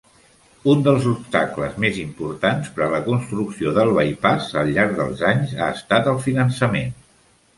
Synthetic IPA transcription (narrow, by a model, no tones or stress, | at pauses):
und̪əlˠzupst̪aklə̰zmezimpuɾt̪anspɾələkunst̪ɾuksioðəlˠβəjpazəlˠʎːaɾɡ̚ðə̰lˠzaɲzaəst̪at̪əlˠfinənsəmen